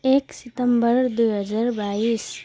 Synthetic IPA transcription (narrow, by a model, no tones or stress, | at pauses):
eksɪt̪əmbəɾd̪uɦəd͡ʒaɾbais